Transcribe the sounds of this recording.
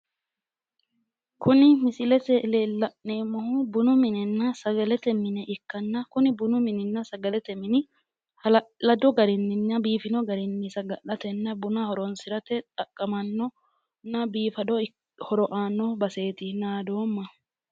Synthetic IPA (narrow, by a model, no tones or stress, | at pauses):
kʊnɪmɪsɪlɛt̪ɛleːlːɐʔneːmɔhʊbʊnʊmɪnɪnːɐsɐɡɐlɛt̪ɛmɪnɛʔɪkːɐnːɐkʊnɪbʊnʊmɪnɪnːɐsɐɡɐlɛt̪ɛmɪnɪ | hɐlɐlɐd̪ɔɡɐɾɪnːɪnːɐbiːfɪnɔɡɐɾɪnːɪsɐɡɐʔɐt̪ɛnːɐbʊnɐhɔɾɔnsɪɾɐt̪ɛt̪ʼɐkʼːɐmɐnːɔ | nːɐbiːfɐd̪ɔ | hɔɾɔʔaːnːɔbɐse̞ːt̪ɪnaːd̪o̞ːmːɐ